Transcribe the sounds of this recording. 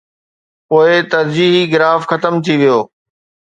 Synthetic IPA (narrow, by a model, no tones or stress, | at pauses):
poːɪt̪ɐɾd͡ʑiːɦiɣɪɾaːfxɐt̪əmt̪ʰiʋijoː